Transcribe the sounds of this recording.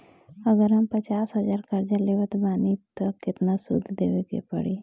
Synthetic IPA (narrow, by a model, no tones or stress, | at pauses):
əɡəɾɦəmpət͡ʃaːsɦəzaːɾkəɾd͡ʒaleʋət̪baːnit̪əkːɪt̪nasʊ̰d̪ʱd̪eʋekḛpə̰ɽi